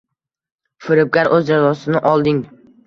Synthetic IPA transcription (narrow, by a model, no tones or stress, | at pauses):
fɪɾɪp̚ɡʲaɾʔɵzd͡ʒazɒsɪnɪʔɒlˠd̪ɪŋ